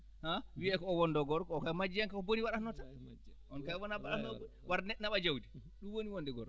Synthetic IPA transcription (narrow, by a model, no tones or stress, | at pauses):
hawiɛkɔːwɔndɔɡɔɾkɔːkamad͡ʒːijaŋkakɔboniwaɗahnɔta | ɔnkajwɔnabaɗahnɔbonwaɾnɛnaɓad͡ʒawdi | ɗunwoniwondɛɡɔɾkɔ